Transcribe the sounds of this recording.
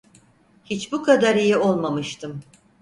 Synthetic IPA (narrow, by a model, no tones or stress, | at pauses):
hit͡ʃbukʰad̪aɾijio̞lˠmamɯʃt̪ʰɯm